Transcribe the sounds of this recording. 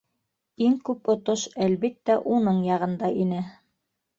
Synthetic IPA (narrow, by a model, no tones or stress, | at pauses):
iŋkʉpŏt̪oʃælβit̪ːæʔunɤɴjɑʁɤ̆nd̪ɑʔinɘ